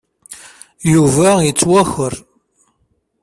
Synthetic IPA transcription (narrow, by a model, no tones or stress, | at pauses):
juvæjət͡sːwæxəɾ